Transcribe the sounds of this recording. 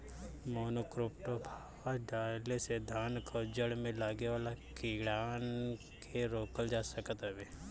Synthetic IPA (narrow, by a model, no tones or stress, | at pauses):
moːnoːkɾɪpʈobʱa | aɖaːlesed̪ʱaːnkʰod͡ʒəɽmẽlaːɡeʋaːlakiɽaːn | kʰeɾoːkəld͡ʒaːsəkət̪ɐbe